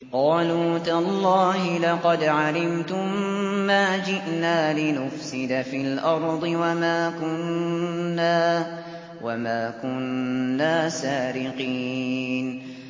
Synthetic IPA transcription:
qɑːluːt̪alˤːɑːhɪlɑqɑd̪ʕalɪmt̪ʊmmaːd͡ʒɪʔnaːlɪnʊfsɪd̪afilʔɑɾˤd̪ˤɨwamaːkʊnː | aː | wamaːkʊnːaːsaːɾɪqiːn

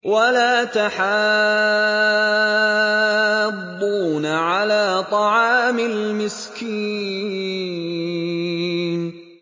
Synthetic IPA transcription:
walaːt̪aħa | dːunaʕalaːt̪ˤɑʕɑːmɪlmɪski | n

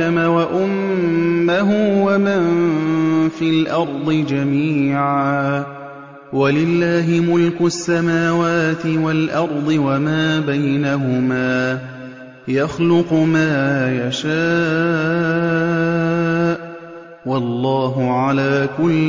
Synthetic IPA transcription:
amawaʔʊmː | aɦʊwaman | fiːlʔɑɾˤd̪ˤɨd͡ʒamiːʕaː | walɪlːaːɦɪmʊlkʊsːamaːwaːt̪ɪwalʔɑɾˤd̪ˤɨwamaːbajnaɦʊmaː | jɑxlʊqmaːjaʃaː | ʔ | wɑlˤːɑːɦʊʕalaːkʊl

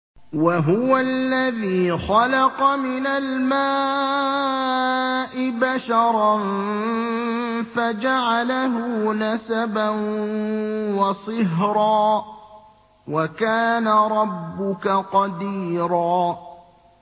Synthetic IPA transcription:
waɦʊwalːaðiːxɑlɑqɑmɪnalmaː | ʔɪbaʃɑɾˤɑn | fad͡ʒaʕalaɦʊːnasaban | wɑsˤɨɦɾɑː | wakaːnaɾˤɑbːʊkaqɑd̪iːɾˤɑː

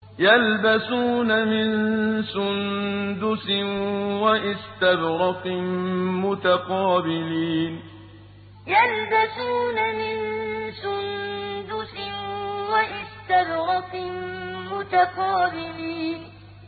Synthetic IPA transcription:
jalbasuːnamɪnsʊnd̪ʊsɪnwaʔɪst̪abɾɑqɪmʊt̪aqɑːbɪliːn | jalbasuːnamɪnsʊnd̪ʊsɪnwaʔɪst̪abɾɑqɪmmʊt̪aqɑːbɪliːn

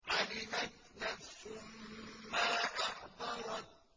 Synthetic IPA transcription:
ʕalɪmat̪naθʊmːaʔaħd̪ˤɑɾˤɑt̪̚

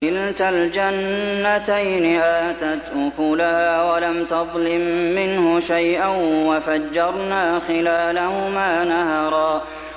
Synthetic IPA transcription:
ɪlt̪ald͡ʒanːat̪ajnɪʔaːt̪at̪ʔʊkuːlahaːwalamt̪ɑðˤlɪmːɪnhʊʃajʔanwafad͡ʒːɑɾˤnaːxɪlaːlahʊmaːnahɑɾˤɑː

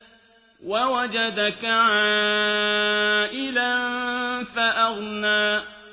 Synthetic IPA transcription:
wawad͡ʒad̪akaʕaː | ʔɪlanfaʔaɣnaː

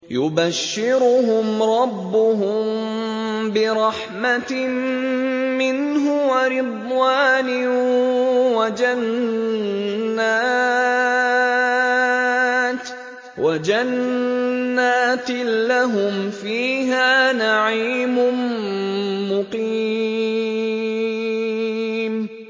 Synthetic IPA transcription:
jʊbaʃːɪɾʊɦʊmɾˤɑbːʊɦʊmm | bɪɾˤɑħmat̪ | mɪnɦʊwaɾɪd̪ˤwaːnɪ | wad͡ʒan | aː | t̪ | wad͡ʒanː | aːt̪laɦʊmfiːɦaːnaʕiːmʊn | mːʊqi | m

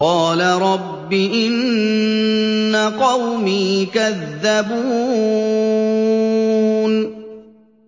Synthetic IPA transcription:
qɑːlaɾˤɑbːɪʔɪn | aqɑwmiːkaðːabuː | n

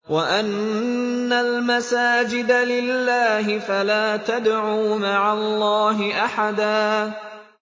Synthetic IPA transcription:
waʔanː | almasaːd͡ʒɪd̪alɪlːaːɦɪfalaːt̪ad̪ʕuːmaʕalˤːɑːɦɪʔaħad̪aː

